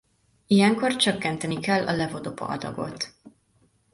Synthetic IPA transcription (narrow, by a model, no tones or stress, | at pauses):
ijɛŋko̞rt͡ʃøkːɛnt̪ɛnikɛlːʔɒlɛvo̞d̪o̞pɒ̰ɒ̰d̪ɒ̰ɡo̞̰t̪